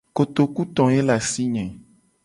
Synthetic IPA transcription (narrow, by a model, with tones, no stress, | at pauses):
ko˨t̪o˨ku˦t̪ɔ̃˨e˦la˨si˦ɲɛ̃˨